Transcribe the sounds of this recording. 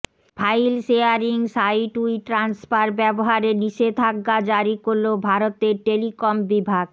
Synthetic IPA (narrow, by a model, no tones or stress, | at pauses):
bʱajlʃeaɾiŋsajʈuiʈɾansfaɾbɛboɦaɾeniʃed̪ʱʰaɡːad͡ʑaɾikoɾlːobʱaɾot̪eɾʈelikombibʱaɡ̚